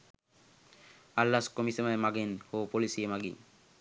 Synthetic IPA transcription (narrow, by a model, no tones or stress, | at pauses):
alːaskomisemaemaɡenhopolisiemaɡḭ